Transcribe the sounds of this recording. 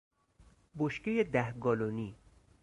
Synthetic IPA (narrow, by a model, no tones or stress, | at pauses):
boʃcejed̪æhɡɒːloniː